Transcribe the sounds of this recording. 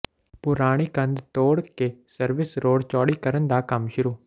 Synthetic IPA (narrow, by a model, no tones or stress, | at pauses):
pʊɾaːɽ̃iːkənd̪t̪oːɽkeːsəɾʋɪsɾoːɽt͡ʃɔːɽiːkəɾənd̪aːkəmʃʊɾuː